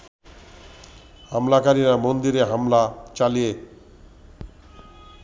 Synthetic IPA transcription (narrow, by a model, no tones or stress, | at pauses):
hamlakaɾiɾamond̪iɾeɦamlat͡ɕalije